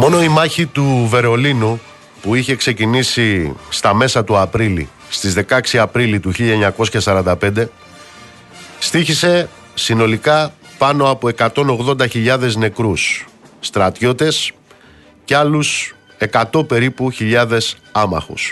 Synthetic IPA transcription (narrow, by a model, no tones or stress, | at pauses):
mo̞no̞imɐçit̪uve̞ɾo̞linu | puiçe̞kse̞cinisist̪ɐme̞sɐt̪uɐpɾilḭ | st̪izðe̞kɐksiɐpɾilit̪uçiʎɐeɲɐko̞sçɐsɐɾɐnd̪ɐpe̞nd̪e̞ | st̪içise̞ | sino̞likɐpɐno̞ɐpo̞e̞kɐt̪o̞no̞ɣðo̞nd̪ɐçiʎɐðe̞zne̞kɾusːt̪ɾɐt̪ço̞t̪e̞s | ceɐlus | e̞kɐt̪o̞pe̞ɾipuçiʎɐðe̞s | ɐmɐ̰xṵs